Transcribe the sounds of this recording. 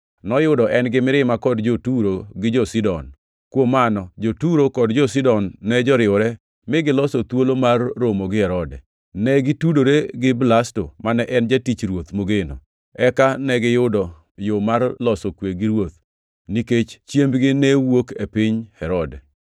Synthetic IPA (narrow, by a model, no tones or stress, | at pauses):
nɔjʊdɔʔɛnɡɪmɪɾɪmakɔdd͡ʒotuɾoɡɪd͡ʒɔsidɔn | kwomanɔd͡ʒotuɾokɔdd͡ʒɔs̬idɔnːɛd͡ʒɔɾɪʊɾɛ | mɪɡɪlɔsɔt̪wolomarːomoɡɪhɛɾɔdɛ | nɛɡitudoɾeɡɪblastomanɛʔɛnd͡ʒatit͡ʃɾwot̪moɡeno̰ | ɛkanɛɡɪjʊdɔ | jomarlɔsokweɡiɾwot̪ | niket͡ʃt͡ʃjembɡɪnɛwokepɪɲhɛɾɔdɛ